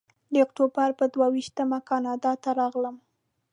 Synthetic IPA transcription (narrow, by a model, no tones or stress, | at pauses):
d̪əʊkʈobaɾpəd̪wawiʃt̪əmakɑnɑd̪ɑt̪aɾɑɣləm